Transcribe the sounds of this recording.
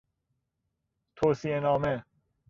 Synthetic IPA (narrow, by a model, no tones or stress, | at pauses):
t̪ʰoːsienɒːme